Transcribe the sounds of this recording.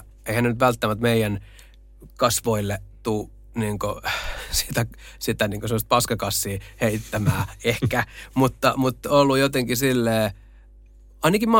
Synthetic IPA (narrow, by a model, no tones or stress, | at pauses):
eihænenyt̪ʋælt̪ːæmæt̪meijæn | kɑsʋoilːet̪uː | niːŋkosi̥ːt̪æsit̪æniːŋkosemost̪̚pɑskɑkɑsːiːheit̪ːæmæːehkæmut̪ːɑmut̪ːolːujot̪eŋkisilːeː | ɑinɑkimɑ